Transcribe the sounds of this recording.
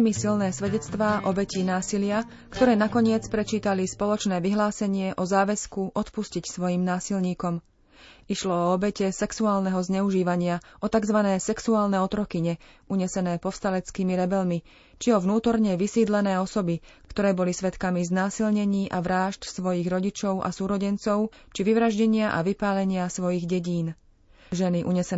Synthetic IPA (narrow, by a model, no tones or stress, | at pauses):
misilnɛːsʋɛɟɛt͡st̪ʋaːʔɔbɛciːnaːsilɪa | kt̪ɔɾɛːnakɔɲɪɛt͡spɾɛt͡ʃiːt̪alispɔlɔt͡ʃnɛːʋiɦlaːsɛɲɪɛʔɔzaːʋɛskuʔɔt̪puscicsʋɔjiːmnaːsilɲiːkɔm | iʃlɔɔɔbɛcɛsɛksuaːlnɛɦɔzɲɛuʒiːʋaɲɪaʔɔt̪aɡzʋanɛːsɛksuaːlnɛɔt̪ɾɔkiɲɛ | uɲɛsɛnɛːpɔfst̪alɛt͡skiːmiɾɛbɛlmi | t͡ʃiɔʋnuːt̪ɔɾɲɛʋisiːd̪lɛnɛːɔsɔbikkt̪ɔɾɛːbɔlisʋɛt̪kamiznaːsilɲɛɲiːʔaʋɾaːʃt̪sʋɔjiɣɾɔɟit͡ʃɔʊʔa̰suːɾɔɟɛnt͡sɔʊ | t͡ʃiʋiʋɾaʒɟɛɲɪaʔa̰ʋipaːlɛɲɪasʋɔjiɣɟɛɟiːn | ʒɛniʔuɲɛsɛ